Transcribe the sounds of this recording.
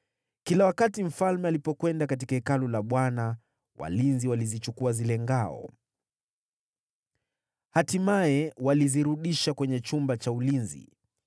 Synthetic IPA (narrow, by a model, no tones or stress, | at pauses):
kilawakatim̩falmɛalipɔkwɛndakatikaikalulaɓwana | wa̰linziwalizit͡ʃukuazilɛŋɡaɔ̰ | hatimaɛwaliziɾuɗiʃakwɛɲɛt͡ʃumbat͡ʃaulinzḭ